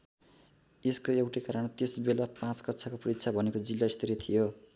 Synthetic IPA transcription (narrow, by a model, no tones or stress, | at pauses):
eskoewʈekaɾʌɳt̪esbelapãt͡skʌtt͡sʰakopʌritt͡sʰabʱʌnekod͡zilːaist̪ʰiɾit̪ʰijo